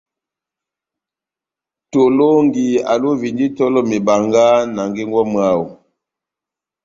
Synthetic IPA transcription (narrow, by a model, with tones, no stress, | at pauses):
to˨lo˦ŋɡi˨a̰˨lo˦vi˨ndi˦tɔ˦lɔ˦me˨ba˨ŋɡa˦na˨ŋɡe˦ŋɡwɔ˦ma˦˨wu˨